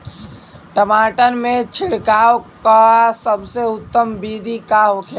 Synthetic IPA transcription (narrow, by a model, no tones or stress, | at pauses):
ʈəmaːʈənmẽt͡ʃʰɪɽkaːwkasəbseʊt̪ːəmbid̪ʱikaɦokʰe